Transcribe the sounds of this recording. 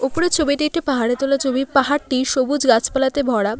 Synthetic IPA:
upoɽet͡ɕʰobiʈiek̚ʈipaɦaɽet̪olat͡ɕobipaɦaɾʈiʃobud͡ʑɡat͡ɕpalat̪ebʱɔɽa

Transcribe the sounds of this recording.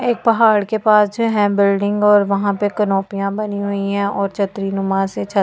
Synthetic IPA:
eːk̚pɐɦaːɽkepaːsd͡ʒoɦɛ̃bɪlɖɪ̃ŋɡɔːɾʋɐɦãpekɐnɔːpijãbɐniɦʊiɦɛ̃ɔːɾt͡ʃʰɐt̪ɾinʊmãset͡ʃʰɐ

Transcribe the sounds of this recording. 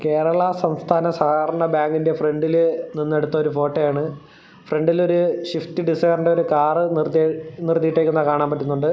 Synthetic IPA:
ke̞ːɾɐɭɐsɐmst̪ʰaːnɐsaːɡɐɾɐɳɐbaːŋɡinde̞fre̞ɳɖilninːe̞ɽut̪ːɐoɾufo̞ːʈːɐjaːɳɨ | fre̞ɳɖilo̞ɾuɕift̪iɖisejrɳɖeo̞ɾukaːrɨrnirt̪ːiʈːeːkʲːunːɐkaːɳaːmpɐt̬ːunːuɳɖɨ

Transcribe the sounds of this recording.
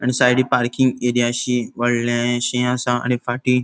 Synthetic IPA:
añisajɽipaɾkĩŋɡeɾijaɕiʋəɽlãɕĩãsãa̰ñifaʈi

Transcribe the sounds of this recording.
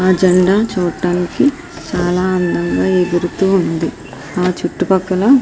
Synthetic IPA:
aːd͡ʒɐɳɖaːt͡ʃuːʈaːniki | t͡ʃaːlaːɐnd̪ʱɐŋɡaːed̪uɾut̪uːund̪i | aːt͡ʃuʈːupɐkːɐlɐ

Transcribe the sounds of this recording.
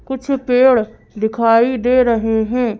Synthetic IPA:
kʊt͡ʃʰpeːɭ | d̪ɪkʰaːiːd̪eːɾəɦeːɦɛ̃ː

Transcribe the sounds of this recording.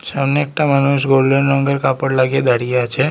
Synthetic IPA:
samneek̚ʈamanuʃɡolːeɾnɔŋɡəɾkapəɽlaɡied̪aɽijat͡ʃʰe

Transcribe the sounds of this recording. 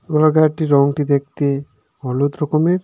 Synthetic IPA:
olaɡaʈiɾɔŋʈid̪ek̚t̪e | ɔlot̪ɾɔkomeɾ

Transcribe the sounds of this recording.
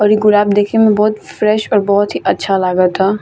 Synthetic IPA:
ɔɾiɡʊɾaːb̚d̪eːkʰemẽbɔːt̪fɾɛʃɔːɾbɔɦʊt̪ɦiʔɐtːʃʰalaːɡət̪ʰa

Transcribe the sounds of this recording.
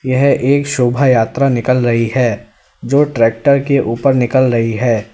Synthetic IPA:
jɐɦʔeːkʃʊbʱajaːt̪ɾanɪkəlɾɐɦiɦɛː | d͡ʒoːʈɾɛːk̚ʈəɾkeʔuːpəɾnɪkəlɾɐɦiɦɛː

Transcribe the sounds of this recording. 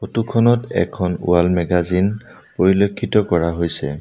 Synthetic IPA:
xotukʰɔnɔtɛ̰kʰːɔnṵalmɛɡazin | poɹilokʰːitɔkɔɹaɦojsɛ

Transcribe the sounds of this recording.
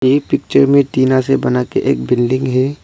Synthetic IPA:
jepɪk̚t͡ʃəɾmẽt̪iːnasebɐnakeʔḛːk̚bɪlɖɪ̃ŋɡɦɛ

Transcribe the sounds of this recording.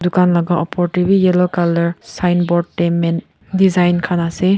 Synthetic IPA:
dukanlaɡaʔɔpʰɔɾtibijelokalɐɾsajnbɔd̚temen | dizajnkʰanase

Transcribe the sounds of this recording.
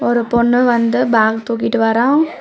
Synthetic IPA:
ɔɾɯpɔɳːɯʋɐnd̪ɯbʱaːkt̪uːkːiʈːɯʋɐɾãː

